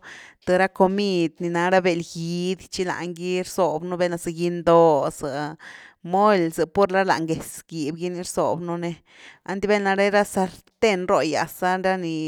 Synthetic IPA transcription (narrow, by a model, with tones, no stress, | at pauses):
t̪ɨ˧ɾa˦ko˧mi˧d̪ni˨˧na˧ɾa˦be˧˨lɡi˧d̪t͡ʃi˦la̰˨ʔŋɡi˦ɾso˨bnu˦be˦na˧za˧ɡi˧nd̪o˧sɨ˨ | mo˦lzɨ˨po˦ɾla˦la̰˨ŋɡe˨sɡi˨bɡi˦ni˧ɾzo̰˨bnu˦ne˧ | a̰˦nd̪i˦be˦na˧ɾe˦ɾa˦sa˧lt̪e˦nɾo˧ja̰˨sa˦ɾa˦ni˧